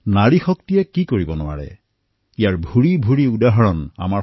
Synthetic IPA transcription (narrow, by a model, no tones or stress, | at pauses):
naɹixɔktijɛkikoɹibɔnʊa̰ɹɛ̰ | ijaɹbʱuɹibʱuɹiudaɦɔɹɔna̰ma